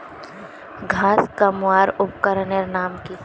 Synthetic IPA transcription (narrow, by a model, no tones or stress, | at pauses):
ɡʱaːskəmʊaːɾʊpkəɾəneɾnaːmki